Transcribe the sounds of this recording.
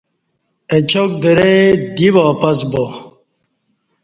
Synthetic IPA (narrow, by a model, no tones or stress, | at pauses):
et͡ɕʰok̚d̪əɾed̪iʋaːpɐsbo